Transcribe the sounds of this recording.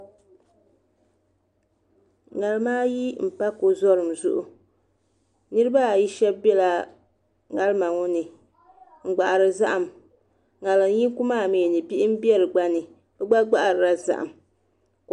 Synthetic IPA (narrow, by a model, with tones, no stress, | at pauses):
ŋa˨lɨ˦maː˦ji˦m̩˨pa˦ko˨zɔ˦ɾɨ˨mzʊ̰˦ʔʊ˨ | nɨ˦ɾɨ˦ba˦˨ji˦ʃɛ˦bbɛ˦la˨ | ŋa˦lma˨ŋɔ˦nɨ˨ | ŋ̩˨ɡ͡ba˨ʔa˨ɾɨ˨za˦ʔa˨m | ŋa˨la˨˦ji˦ŋ˦ku˦maː˦˨meː˨nɨ˨pi˦ʔɪ˦m̩˦bi˦ɛ˦ɾɨ˨ɡ͡ba˦nɨ˨ | bɨ˦ɡ͡ba˦ɡ͡ba˦ʔa˨ɾɨ˨ɾa˦za̰˨ʔa̰˨m